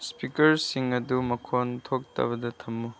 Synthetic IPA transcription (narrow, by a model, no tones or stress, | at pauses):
spikɐɾsiŋɐdumɐkʰontʰok̚tɐ̰bɐdɐtʰɐmːu